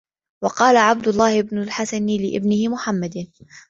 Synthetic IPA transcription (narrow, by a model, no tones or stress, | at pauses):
wɑqɑːlaʕab̚d̪ʊlˤːɑːhɪbnʊlħasanɪlɪʔɪ̰bnɪhɪmʊħamːad̪